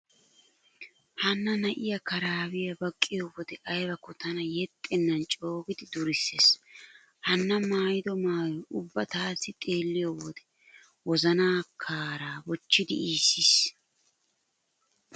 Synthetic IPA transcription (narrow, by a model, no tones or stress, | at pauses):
hɐnːɐnɐʔɪjɐkɐɾaːwɪjɐbɐkʼːɪjowɔd̪ɛʔɐjbɐkːɔt̪ɐnɐjɛt̪ʼːɛnːɐnt͡ʃʼo̞ːɡɪd̪ɪd̪ʊɾɪsːeːs | hɐnːɐmaːjɪd̪ɔmaːjɔʊbːɐt̪aːsːɪt̪ʼe̞ːlːɪjowɔd̪ɛ̥ | wɔzɐnaːkʰaːɾaːwɔt͡ʃːɪd̪ɪiːsːiːs